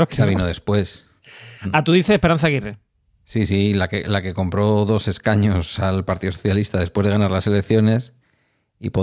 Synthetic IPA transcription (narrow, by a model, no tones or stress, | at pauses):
aβinoðe̞spwe̞s | at̪uðiθeehpeɾan̟θaɣire | sisilakelake̞ko̞mpɾo̞ðo̞se̞skaɲo̞salpaɾt̪iðooθjalist̪aðe̞spwe̞zðe̞anaɾlase̞le̞kθjo̞ne̞s | ḭpo